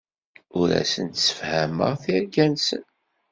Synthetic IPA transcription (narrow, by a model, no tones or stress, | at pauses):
ʊɾæ̰sənt̪sə̥fhæmə̰ʁθiɾɡænsə̰n